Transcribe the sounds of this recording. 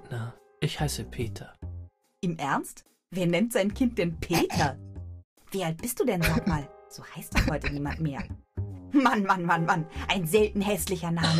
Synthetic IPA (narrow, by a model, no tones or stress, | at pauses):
na | ʔɪçhaɪsəpʰeːtʰɐ | ʔɪmʔɛɐnst | veːɐnɛntz̥aɪnkʰɪnt̚d̥eːnpʰeːtʰɐ | v̥iːʔalt̚b̥ɪstd̥uːdɛndɔkmaːlz̥oːhaɪst̚d̥ashɔʏtəniːmantmeːɐ | manmanmanmanʔaɪnzɛltn̩ɦɛslɪçɐnaːmə